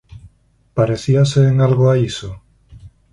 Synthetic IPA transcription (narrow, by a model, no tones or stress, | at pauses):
paɾeθiaseːŋalɣoaiso